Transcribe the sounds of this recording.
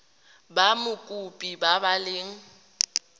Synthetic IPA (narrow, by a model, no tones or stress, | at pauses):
bamʊkʼupʼibabalɪːŋ̩